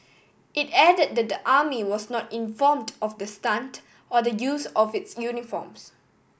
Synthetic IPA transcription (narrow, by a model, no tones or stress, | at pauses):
ʔɪtɛdəd̚dɛt̚dəʔamiwɔsnɔtĩnfɔmdɔfdəstãnt | ɔdəjuːsɔfɪtsjunifɔ̰ms